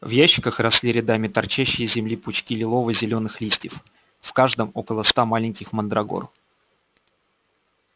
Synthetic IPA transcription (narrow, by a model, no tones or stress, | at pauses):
vjæɕːɪ̥kəxrɐsʲlʲiɾʲɪd̪amʲɪt̪ɐrt͡ɕæɕːɪjəzʲɪmlʲipʊt͡ɕkʲilʲɪlˠo̞vəzʲɪlʲo̞nɨxlʲisʲtʲɪf | fkaʐd̪əmo̞kəlˠəst̪amalʲɪnʲkʲɪxmənd̪ɾɐɡo̰r